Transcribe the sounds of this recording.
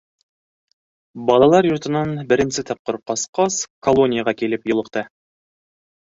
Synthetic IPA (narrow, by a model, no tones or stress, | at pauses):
bɑlˠɑlˠɑɾjŏɾt̪ɤ̆nɑnbɘ̆ɾɘ̆nsɘt̪ʰɑp̚qoɾqɑsqɑskolˠo̞nʲɪjaʁɑkilɘpjŏlˠɤ̆qt̪ɤ